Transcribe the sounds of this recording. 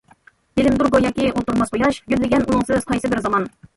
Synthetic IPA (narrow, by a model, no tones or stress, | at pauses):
b̥ɪlɪmd̪uɾɡojɑːkʲiolˠt̪uɾmɑsbojɑʃjyzlɪɡʲɛnʔunɨŋsɨz̥qʰɑjsɨbɪɾzɑmɑn